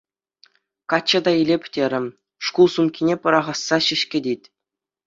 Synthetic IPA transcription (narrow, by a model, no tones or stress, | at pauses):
kɑt͡ɕːɤ̆d̪ɑilʲepʲtʲeɾʲɘ̆m | ʂkulˠsumkʲinʲepɤ̆ɾɑʁɑsːɑɕɘ̆ʃkʲĕdʲetʲ